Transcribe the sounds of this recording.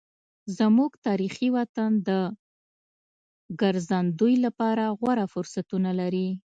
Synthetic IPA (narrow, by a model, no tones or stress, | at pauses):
zəmuɡt̪ɑɾixiwat̪and̪ə | ɡaɾzand̪ujlapɑɾaɣwaɾafʊɾsat̪unalaɾi